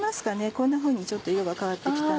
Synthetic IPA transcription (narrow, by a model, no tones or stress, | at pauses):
masɨ̥kane̞kõ̞nːaɸɯ̟ːɲ̟it͡ɕo̞t̪ːo̞jo̞βakaβat̪ːeki̥t̪a